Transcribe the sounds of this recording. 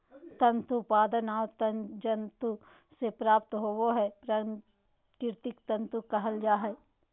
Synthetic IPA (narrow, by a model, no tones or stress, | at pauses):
t̪ɐ̃nt̪upaːd̪ənaːwt̪ənd͡ʒənt̪u | sepɾaːp̚t̪ɦoːwoɦɛpɾa | kɪɾt̪ɪkt̪ɐ̃nt̪ukɐɦəld͡ʒaːɦɛ